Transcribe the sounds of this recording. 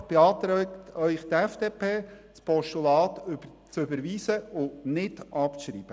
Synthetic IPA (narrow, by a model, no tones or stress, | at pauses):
b̥eɑːt̪ɾɛkt̪œʏχt̪ɛfd̥eːpʰeːt͡spɔʃtulɑːt̪yb | t͡søbəɾʋiːsəʊnɪdʔɑpt͡sʃɾḭːb̥ə